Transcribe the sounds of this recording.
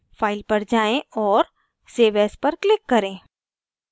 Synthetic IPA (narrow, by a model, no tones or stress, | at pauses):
faːɪlpɐɾd͡ʒaːẽɔːɾ | seːʋɛːspɐɾklɪkːɐɾẽː